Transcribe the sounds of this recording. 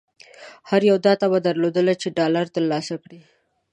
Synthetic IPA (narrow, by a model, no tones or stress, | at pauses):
haɾjawd̪ɑt̪abad̪aɾlod̪əlat͡ʃeɖɑlaɾt̪əɾlɑsakɽi